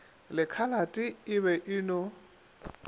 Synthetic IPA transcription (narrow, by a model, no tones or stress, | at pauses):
lɪkʰalatʼɪɪβɛʔɪːnɔ